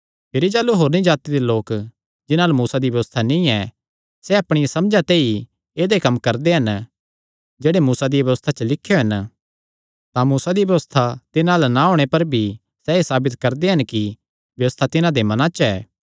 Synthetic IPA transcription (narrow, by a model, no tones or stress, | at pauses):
pʰɪɾid͡ʒaːluɦoːɾnĩd͡ʒaːt̪id̪eloːk | d͡ʒɪnãlmuːsad̪ibjɐʋəst̪ʰanĩɛ | sɛɐpɽ̃ijasɐmd͡ʒat̪eːi | eːd̪ekɐmːkɐɾd̪eɦɐn | d͡ʒeːɽemuːsad̪ibjɐʋəst̪ʰat͡ʃəlɪkʰːjoɦɐn | t̪ãmuːsad̪ibjɐʋəst̪ʰat̪ɪnãlanaɦoːɽ̃epɐɾbʱi | sɛːesaːbɪt̪kɐɾd̪eɦɐnki | bjɐʋəst̪ʰat̪ɪnãd̪emɐnãt͡ʃɛː